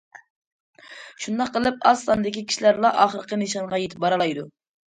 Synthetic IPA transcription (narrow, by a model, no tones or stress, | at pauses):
ʃund̪ɑqːəlˠɨpɑslɑnɨd̪ɪkʲikʲʰi̥ʃilæɾlˠɑʔɑχəɾəqʰənɨʃɑnʁɑjet̪ʰɪ̥p̚bɑɾɑlˠɑjd̪u